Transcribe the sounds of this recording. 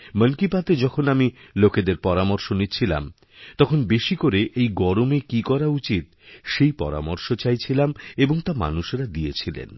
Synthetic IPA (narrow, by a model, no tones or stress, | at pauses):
mənkipat̪ed͡ʑɔkʰonamiloked̪eɾpɔɾamoɾʃonit͡ɕʰila̰m | t̪ɔkʰonbeʃikoɾeʔʔejɡɔɾomekikɔɾaut͡ɕit̪̚ʃejpɔ̰ɾa̰moɾʃot͡ɕajt͡ɕʰilameboŋt̪ama̰nuʃɾad̪ijet͡ɕʰilḛn